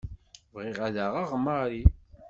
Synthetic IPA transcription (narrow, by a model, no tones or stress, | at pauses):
vʁɪʁæðaʁaʁməɾi